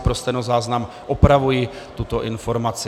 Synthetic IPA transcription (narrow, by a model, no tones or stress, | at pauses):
pɾost̪ɛnozaːznam | ʔopɾavuji | t̪ut̪o̞ʔɪnfo̞ɾmat͡sɪ